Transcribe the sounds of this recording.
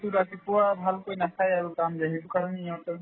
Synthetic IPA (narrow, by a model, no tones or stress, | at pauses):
t̪uɾatipuwabʱalkojnakʰajaɹukamzaɦibɔkaɹɔneiatɔ